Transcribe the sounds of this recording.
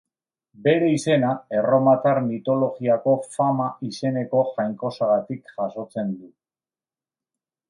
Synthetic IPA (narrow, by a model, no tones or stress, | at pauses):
be̞ɾe̞ise̞nae̞ro̞mat̪aɾnit̪o̞lo̞ɣiako̞famaise̞ne̞ko̞ʝajŋko̞saɣat̪ikʝaso̞t͡se̞nd̪u